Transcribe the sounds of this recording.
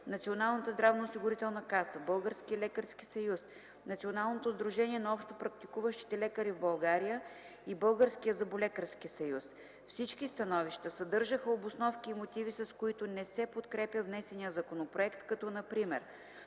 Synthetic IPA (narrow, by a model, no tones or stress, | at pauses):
nɐt̪sionalˠnət̪əzd̪ɾavnoosiɡʊɾit̪ɛlˠnɐkasəbɤlˠɡəɾskiəlɛkəɾski̥sɐjus | nɐt̪sionalˠnot̪ozd̪ɾuʒɛniɛnɐɔpʃt̪opɾɐk̚t̪ikuvəʃt̪i̥t̪ɛlɛkəɾivbɐlˠɡaɾijə | ibɤlˠɡəɾskijəzɐbulʲɛkəɾskisɐjus | fsit͡ʃkist̪ɐnɔviʃt̪əsɐd̪ɤɾʒəxəobosnɔfkiːmot̪ivisɐskoit̪ʊnɛsɛpot̪kɾɛpʲjəvnɛsɛnijəzɐkonopɾoɛkt̪kɐt̪ɔnɐpɾimɛ̰ɾ